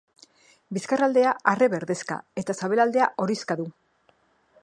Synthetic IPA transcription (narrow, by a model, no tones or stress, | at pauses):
biskarald̪e̞aʔare̞βe̞ɾðe̞ska̰e̞t̪asaβe̞lald̪e̞aʔo̞ɾiskaðu